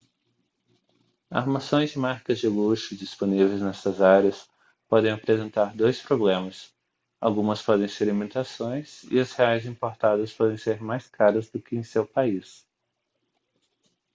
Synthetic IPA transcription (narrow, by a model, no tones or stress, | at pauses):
a̰ɾmasõj̃zd͡ʒɪmaɾkɐzd͡ʒɪluʃʊd͡ʒisponivejznɛst̪ɐzaɾiɐs | pɔd̪ẽj̃apɾezẽnt̪aɾd̪ojspɾoblẽmɐs | awɡũmɐspɔd̪ẽj̃seɾlimit̪asõj̃sɪ̰ɐsheajzĩmpoɾt̪ad̪ɐspɔd̪ẽj̃seɾmajskaɾɐzd̪ʊkɪẽj̃sewpais